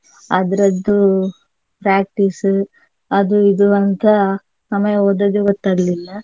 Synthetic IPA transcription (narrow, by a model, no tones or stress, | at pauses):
ɐd̪ɐɾɐd̪ːu | pɾaːk̚ʈis | ɐd̪uid̪uɐnt̪ʰɐ | sɐmɐjɐod̪ɐd̪uɡɔt̪ːaːɡɐlilːɐ